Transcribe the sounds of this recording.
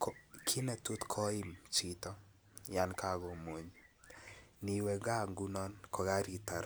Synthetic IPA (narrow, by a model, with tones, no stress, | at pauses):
kɔkʰi˦nɛ˦tu˦tkʰɔ˦i˦mt͡ʃi˨tɔ˦ | ja˦nka˦˨ɡo˨mo˨ɲ | ni˨wɛ˨ɡa˦ŋɡu˦nɔ˦nkɔ˨ɡa˦ɾi˨ta˨ɾ